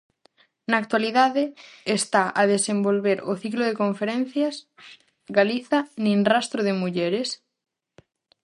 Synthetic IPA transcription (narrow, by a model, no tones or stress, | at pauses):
naːk̚t̪waliðaðeːst̪aʔaðesembolβeɾʊθikloðekõɱfeɾẽn̟θjas | ɣaliθanĩnrast̪ɾoðemuʎɛɾes